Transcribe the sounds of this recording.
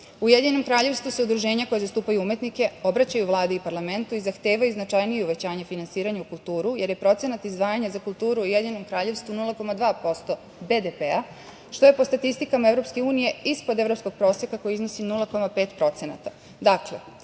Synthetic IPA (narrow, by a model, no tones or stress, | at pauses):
ujed̪iɲeno̞mkɾaːʎe̞ʋst̪vuse̞ud̪ɾuʒe̞ːɲako̞jezast̪uːpajuume̞t̪nike̞o̞bɾat͡ɕajuʋlˠaːd̪eipaɾlˠame̞nt̪uizaxt̪e̞ːʋajuznat͡ʃajnijeuʋet͡ɕaːɲefinansiːɾaɲaukulˠt̪uːɾuje̞ɾjepɾo̞t̪se̞nat̪izd̪ʋaːjaɲazakulˠt̪uːɾuujed̪ɲenomkɾaːʎe̞ʋst̪vunulˠako̞mad̪ʋaːpo̞st̪o̞ | be̞d̪epea | ʃt̪o̞je̞po̞st̪at̪ist̪ikamaevɾo̞pske̞uːnije̞ispod̪e̞vɾo̞psko̞ɡ̚pɾo̞ːsjekako̞jizno̞sinulˠako̞mapeːt̪pɾo̞t̪se̞na̰t̪a | d̪akle̞̰